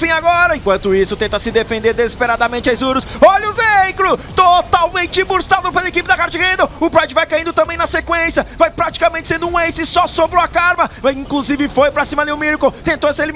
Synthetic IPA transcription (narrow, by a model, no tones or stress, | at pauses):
fĩaɡɔɾɐẽkwɐ̃nt̪ʊisʊt̪ẽnt̪ɐsɪd̪efẽnd̪eɾd̪ezispeɾad̪ɐmẽnt͡ʃɪajzuɾʊsɔʎʊzejkɾʊt̪ot̪awmẽnt͡ʃɪbuɾsad̪ʊpelɐekipɪd̪ɐkaɾt͡ʃɪhẽd̪ɐʊpɾad͡ʒɪvajkaĩnd̪ʊt̪ɐ̃mbẽj̃nɐsekwẽsjɐvajpɾat͡ʃi̥kamẽnt͡ʃɪsẽnd̪ʊũejsɪsɔsobɾɪakaɾmɐĩkluzivɪfojpɾɐsĩmɐliʊmiɾkowt̪ẽnt̪oseli